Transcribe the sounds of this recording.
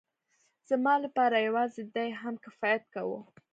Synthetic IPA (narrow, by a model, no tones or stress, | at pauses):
z̥amɑlapɑɾajawɑzɪd̪ajɦamkɪfɑjat̪̚kawṵ